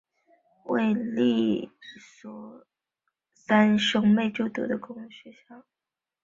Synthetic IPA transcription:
we˥˧ɪli˥˩ | swɔ˧˥ | sa˥nʂɤ˥ŋme˥˧ɪʈ͡ʂo˥˩ʊt̪ṵ˨˩d̪ə˦kʊ˥ŋu˥˩ɕɥɛ˧˥ɕjɑ˥˩˦

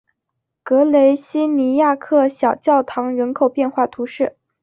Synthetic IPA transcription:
kɤ˧˥le˧˥ɪɕi˥ni˧˥ja˥˧kʰɤ˥˩ɕjɑ˨˩ʊt͡ɕjɑ˥˩ʊt̪ʰɑ˧˥ŋɻə˧˥nkʰo˨˩ʊpjɛ˥˧nxwa˥˩t̪ʰu˧˥ʂɻ̩˥˩

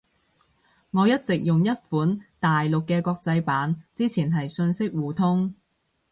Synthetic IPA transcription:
ŋɔː˨˧jɐ˥t̚t͡sɪ˨k̚jʊ˨ŋjɐ˥t̚fuː˨˥nt̪aː˨jlʊ˨kːɛː˧kʷɔː˧k̚t͡sɐ˧jpaː˨˥nt͡siː˥t͡sʰiː˨˩nɦɐ˨jsɵ˧nsɪ˥k̚wuː˨t̪ʰʊ˥ŋ

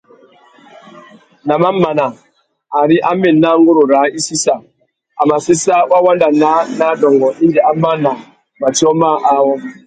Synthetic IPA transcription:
na˨ma˦ma˨na˨ | a˨ɾi˦ʔa˦me˨na˦ŋ˦ɡu˦ɾo˨ɾa˨˦i˦si˦sa˨ | a˨ma˨si˦sa˦wa˦wa˦n˦da˨na˦na˦dɔ˨ŋɡɔ˨i˦ndi˨a˦ma˦na˨ | ma˨ti˦ɔ˦ma˦ʔa˦wɔ˦m˦

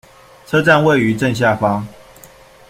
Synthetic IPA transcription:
t͡sʰɤ˦ʈ͡ʂa˥˨nwe˥˨ɪy˨˦ʈ͡ʂə˥˧˨nɕ̬ja˥˩fɑ˦ŋ

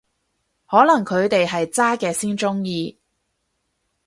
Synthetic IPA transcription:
hɔː˨˥lɐ˨˩ŋkʰɵ˨˧ɥt̪e˨jɦɐ˨jt͡saː˥kɛː˧siː˥nt͡sʊ˥ŋjiː˨˧

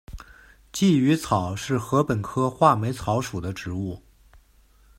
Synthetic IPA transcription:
t͡ɕi˥˩y˧˥t͡sʰɑ˨˩ʊʂɻ̩˥˩xɤ˧˥pə˨˩nkʰɤ˥xwa˥˩me˧˥ɪt͡sʰɑ˧˥ʊʂu˨˩d̪ə˦ʈ͡ʂɻ̩˧˥u˥˩

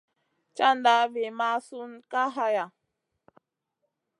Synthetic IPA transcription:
t͡ʃa˦nda˨˦ve˨ma˦su˦n˦ka˦ɦa˦ja˨

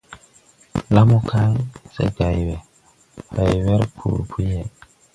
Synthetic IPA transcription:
la˦mu˦kʰa˦lsḛ˦ɡa˨jwɛ˨ | ha˨jwɛ˦ɾkʰṵ˨ɾpʰu˦je˦˨

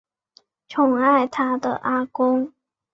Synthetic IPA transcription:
ʈ͡ʂʰʊ˨˩ŋa˥˩ɪt̪ʰa˥d̪ə̰˨ʔa˥kʊ˥ŋ

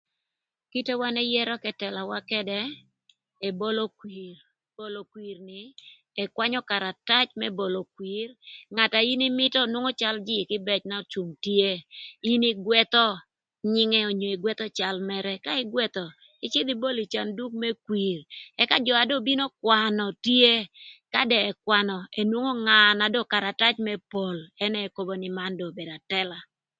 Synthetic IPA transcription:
ki˦te˦wa˦nɛ˦jɛ˦ɾɔ˦kɛ˦tɛ˨la˨wa˦kɛ˦dɛ˦ | e˨bo˦lo˦kwi˨r | bo˦lo˨kwi˨rnɪ˨ | ɛ˨kwa˦ɲɔ˦ka˨ɾa˨ta˦t͡ʃmɛ˦bo˨lo˨kwi˨rŋa˨ta˨i˦ni˦mɪ˦tɔ˦nwo˦ŋo˦t͡ʃa˦ld͡ʒɪ˦˨kɪ˦bɛ˨t͡ʃna˦t͡ʃu˨mtje˦i˦ni˦ɡwɛ˦t̪ɔ˦ | ɲɪ˦ŋɛ˦o˨ɲo˨i˨ɡwɛ˦t̪ɔ˦t͡ʃa˨lmɛ˦ɾɛ˦ka˦ɪ˦ɡwɛ˦t̪ɔ˨ | ɪ˦t͡ʃe˦d̪i˦bo˦li˨t͡ʃa˨ndu˦k̚mɛ˦kwi˨rɛ˦ka˦d͡ʒɔ˨a˨do˦bi˦no˦kwa˨nɔ˨tje˦ka˦dɛ˨ɛ˨kwa˨nɔ˨e˨nwo˦ŋo˦ŋa˨na˨dɔ˦˨ka˨ɾa˨ta˦t͡ʃmɛ˦po˨lɛ˦nɛ˦˨ko˦bo˨nɪ˨ma˦ndo˨be˨da˨tɛ˦la˨

